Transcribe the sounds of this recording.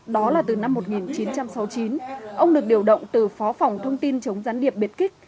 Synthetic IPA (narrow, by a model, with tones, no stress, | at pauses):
ɗɔ˨˦laː˨˩t̪ɨ˨˩na˧mːo˨˩t̚ŋi˨˩nt͡ɕi˨˦nt͡ɕa˧msa˨˦wt͡ɕi˨˦nʔə˧wŋ͡mɗɨ˨˩ək̚ɗi˧˩əwɗə̰˧˨wŋ͡mt̪ɨ˨˩fɔ˨˦fa˨˩wŋ͡mt̪ʰə˧wŋ͡mt̪i˧nt͡ɕə˨˦wŋ͡mzaː˨˦nɗi˨˩əp̚ɓi˨˩t̚kï˦˥k̚